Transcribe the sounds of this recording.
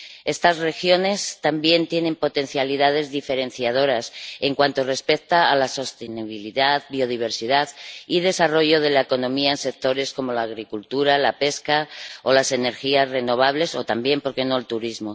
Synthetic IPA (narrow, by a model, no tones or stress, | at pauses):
e̞st̪azre̞xjo̞ne̞st̪ambje̞nt̪je̞ne̞mpo̞t̪e̞n̟θjaliðað̞e̞zðife̞ɾe̞n̟θjað̞o̞ɾase̞ŋkwant̪o̞re̞spe̞k̚t̪aːlaso̞st̪eniβiliðaðbio̞ð̞iβ̞e̞ɾsiðaðið̞e̞saro̞ʝo̞ð̞e̞laeko̞nõ̞miaense̞k̚t̪o̞ɾe̞sko̞mo̞laːɣɾikult̪uɾalape̞skao̞lase̞ne̞ɾxiazre̞no̞β̞aβ̞le̞so̞t̪ambje̞mpo̞ɾke̞no̞elt̪uɾizmo̞